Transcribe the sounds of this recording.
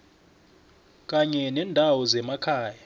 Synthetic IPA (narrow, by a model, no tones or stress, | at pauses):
kʼaɲɛnɛːndʱawɔzɛmakʰaːja